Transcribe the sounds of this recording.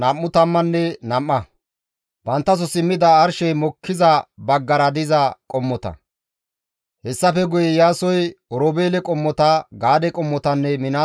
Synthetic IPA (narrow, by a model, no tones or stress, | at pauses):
nɐmːʊt̪ɐmːɐnːɛnɐmːɐ | b̥ɐnt̪ːɐs̬ɔsɪmːɪd̪ɐːɾʃɛjmɔkʰːɪzɐbɐɡːɐɾɐd̪ɪzɐkʼɔmːɔt̪ɐ̰ | hɛsːɐfɛɡʊjɛjaːsɔjɔɾɔbeːlɛkʼɔmːɔt̪ɐɡaːd̪ɛkʼɔmːɔt̪ɐnːɛmɪna